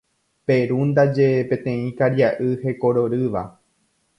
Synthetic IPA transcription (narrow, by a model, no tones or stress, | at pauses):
pe̞ɾund̪ad͡ʒe̞pẽ̞t̪ẽ̞ĩkaɾjaʔɨhe̞ko̞ɾo̞ɾɨʋa̰